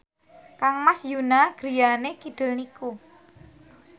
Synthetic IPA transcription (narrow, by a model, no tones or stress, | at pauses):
kaŋmasjunaɡ̥ɾijanekiɖ̥ɪ̤lniku